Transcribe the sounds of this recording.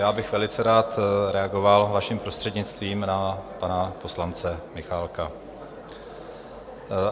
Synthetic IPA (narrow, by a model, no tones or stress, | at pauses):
jaːbɪxvɛlɪt͡sɛɾaːt̪ɾɛaɡo̞valvaʃimpɾo̞st̪r̝̥ɛdɲɪt͡st̪viːmnapanapo̞slant͡sɛmɪxalka